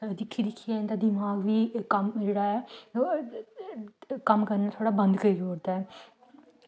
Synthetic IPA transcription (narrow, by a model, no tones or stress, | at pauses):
d̪ɪkʰːid̪ɪkʰːijaɪnd̪aːd̪ɪmaːɡʋiːkəmːɪlɽaːɛː | kəmkəɾnaːt̪ʰoːɽaːbə̃nd̪kəid͡ʒoːɾd̪aːɛː